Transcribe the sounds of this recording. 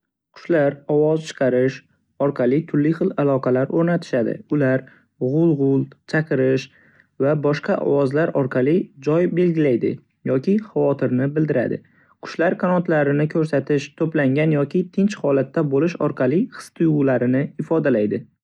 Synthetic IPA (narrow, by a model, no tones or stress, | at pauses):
qʰʊ̥ʃlaɾɒwɒzt͡ʃʰɨ̥qʰɑɾɪʃ | ɒɾqʰɑlɪt̪ʰʊɾlːɪχɨlˠalˠɒqɑlaɾoɾnat̪ʰɪ̥ʃad̪ɪ̰ʊlaɾ | ʁʊlˠʁʊlˠt͡ʃʰaqɨɾɪʃ | vabɒʃqɑʔɒ̰wɒzlaɾɒɾqʰɑlˠɪd͡ʒɒjbe̞lɡʲɪlajd̪ɪ̰ | jɒkʲʰɪχavɒt̪ʰɪɾnɪbɪld̪ɪɾa̰d̪ɪ̰ | qʰʊ̥ʃlaɾkʰanɒt̪laɾɪnɪkʰɵɾsat̪ʰɪʃt̪ʰɵplaŋɡʲanjɒkʲɪt̪ʰɪnt͡ʃχɒlat̪ːabolɪʃɒ̰ɾqʰɑlˠiχɨ̥st̪ʰʊjʊlaɾɪnɪɪfɒd̪alajd̪ɪ